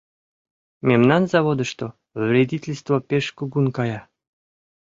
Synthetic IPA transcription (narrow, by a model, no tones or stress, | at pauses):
mʲemnɑnzɑβod̪ə̆ʃt̪o | vɾʲedʲitʲelʲst̪vopʲeʃkuɡunkɑjɑ